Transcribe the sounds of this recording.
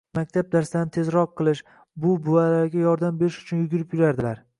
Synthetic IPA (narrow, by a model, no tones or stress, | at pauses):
mak̚ʲt̪ʰab̚d̪aɾsɪd̪anɪt̪ʰezɾɒqːɨlˠɪʃ | bʊbʊalaɾɡʲajɒɾd̪ambe̞ɾɪʃʊ̥t͡ʃʰʊnjʊɡʲɪɾɪpjʊɾaɾd̪ɪlaɾ